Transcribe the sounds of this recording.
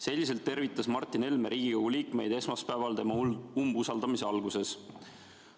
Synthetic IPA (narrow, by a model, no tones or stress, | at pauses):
se̞lʲːis̬e̞lt̪ːe̞ɾvit̪ːˑɑsmɑrt̪ːˑine̞lme̞ɾʔiːɡ̥ijoɡ̥uliːkme̞jd̪e̞smɑspæevɑlt̪e̞mɑumbusɑld̪ɑmise̞ɑlɡuse̞s